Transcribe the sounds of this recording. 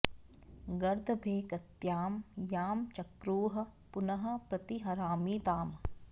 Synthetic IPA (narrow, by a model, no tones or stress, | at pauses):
ɡɐɾd̪ʱɐbʱeːkɐt̪jaːmjaːmt͡ʃɐkɾuːɦɐ̆punɐɦɐ̆pɾɐt̪iɦɐɾaːmiːt̪aːm